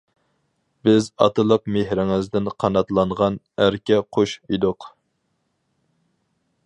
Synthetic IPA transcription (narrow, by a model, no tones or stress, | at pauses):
bɪzɑ̰t̪ʰɨlˠəqmehɾɪŋɪzd̪ɪnqʰɑnɑt̪lˠɑɴʁɑn | æɾkʲɛqʰoʃid̪ʊq